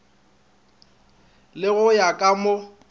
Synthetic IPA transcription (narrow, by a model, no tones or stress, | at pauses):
lɪɣʊjakʼamʊ